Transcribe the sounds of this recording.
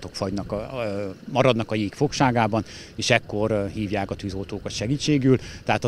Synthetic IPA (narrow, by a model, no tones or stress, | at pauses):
t̪o̞kfɒɟnɒkɒ | mɒɾɒd̪nɒkɒjiːkfo̞kʃaːɡaːbɒn | eːʃɛkːo̞rhiːvjaːkɒt̪yːzolt̪oːkɒt̪ʃɛɡiːt͡ʃːeːɡyːlt̪ɛɦaːt̪ɒ